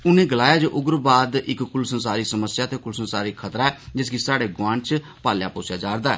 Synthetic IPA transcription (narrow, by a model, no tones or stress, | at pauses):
ʊnẽːɡəlaːjaːd͡ʒoːʔʊɡəɾbaːd̪ɪkːʊlsənsaːɾiːsəməsjaːt̪eːkʊlsənsaːɾiːkʰət̪ɾaɛːd͡ʒɪsɡiːsaːɽeːɡwãːɳt͡ʃ | paːlja̰ːpoːsjaːd͡ʒaːɾd̪aːɛ̰ː